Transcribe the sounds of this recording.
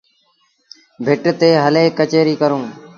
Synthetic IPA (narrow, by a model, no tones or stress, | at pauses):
bʱɪʈt̪eːɦəleːkət͡ʃeːɾiːkəɾõː